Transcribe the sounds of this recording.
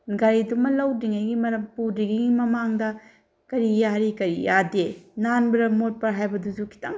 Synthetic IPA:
ɡaɾidumɐlɐwdiŋajɡimɐɾɐmpudiɡiɡimɐmaŋdɐ | kɐɾijaɾikɐɾijadenanbɾɐmot̚pɐɾɦajbɐduzukʰi̥tɐŋ

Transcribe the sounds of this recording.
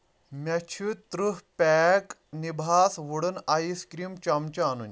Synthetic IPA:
mʲɛt͡ɕʰut̪ɾuɦpɛknibʱasʋuɽənaiskɾiːmt͡ɕamt͡ɕaanun

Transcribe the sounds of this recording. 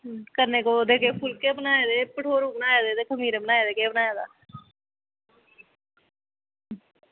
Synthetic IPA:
kəɾneːkoːd̪eːkeːpʰʊlkeːbənaːeːd̪eːpəʈʰoːɾũːbənaːjeːd̪eːt̪eːkʰəmiːɾebənaːeːd̪eːkeːbənaːjaːd̪a̰ː

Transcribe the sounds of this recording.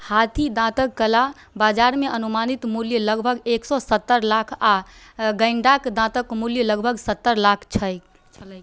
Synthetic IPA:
hat̪ʰid̪ãt̪əkːəla | bad͡ʒaɾmeʔənumanit̪muljələɡbʱəɡeksɔsət̪ːəɾlakʰa | ɡəɪɳɖakd̪ãt̪əkmuljələɡbʱəɡsət̪ːəɾlakʰt͡ʃʰəjʰ

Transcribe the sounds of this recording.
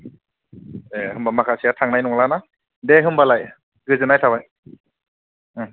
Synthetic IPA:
ehɯmbamakʰasʰiatʰaŋnajnɔŋlana | deɦɯmbalaj | ɡɯzɯnajtʰabaj

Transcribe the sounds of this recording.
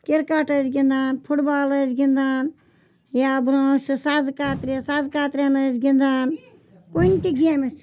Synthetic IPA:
kiɾkaʈɐsɡʲĩnd̪aːnpʰuʈbaːlɐsɡʲind̪aːn | jaːbɾõːʃɨsazkaːt̪ɾʲesazkaːt̪ɾʲenɐsɡʲind̪aːn | koinʲt̪iɡʲiamɐs

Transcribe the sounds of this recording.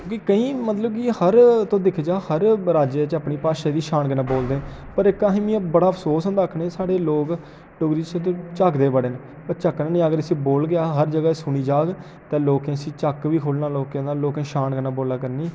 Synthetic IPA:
õːkiːkəĩːmət̪ləbkihəɾt̪õːd̪ɪkʰd͡ʒaːhəɾɾaːd͡ʒeːt͡ʃəpniːpaːʃaːd̪iːʃaːnkənãːboːld̪eːpəɾɪkaːɦĩːmĩːbəɽaːəpʰsoːsɦə̃nd̪aːkʰneːsaːɽeːloːk | ɖʊɡɾiːt͡ʃẽːt̪̬õːt͡ʃakd̪eːbəɽeːnː | pət͡ʃəːknãːnĩːəɡəɾəsiːboːlɡɪaːɦəɾd͡ʒəɡaːsʊniːd͡ʒaːɡ | t̪ẽːloːkẽːsĩːt͡ʃəkʋiːkʰoːɖnaːloːkẽːd̪aːloːkẽːʃaːnkənaːboːlaːkəɾniː

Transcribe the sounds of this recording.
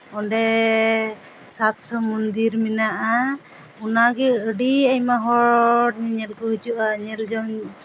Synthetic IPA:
ɔɳɖɛ | sat̪sɔmund̪iɾminaʔa | ɔnaɡɛəɖiajmaɦɔʈ̚ɲɛɲɛlkɔɦud͡ʒuʔaɲɛld͡ʒɔŋ

